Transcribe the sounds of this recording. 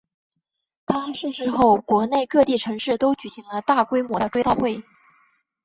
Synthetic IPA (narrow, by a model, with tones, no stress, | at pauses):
kʰɑ˥ʂɻ̩˥˧ʂɻ̩˥˧xo˥˩ʊkwɔ˧˥ne˥˧ɪkɤ˥˧t̪i˥˩ʈ͡ʂʰɤ˧˥ŋʂɻ̩˥˩t̪o˥ʊt͡ɕy˨˩ɕi˧˥ŋlə˧t̪a˥˩kwe˥ɪmwɔ˧˥d̪ə˧ʈ͡ʂwe˥ɪt̪a˥˧xwe˥˩ɪ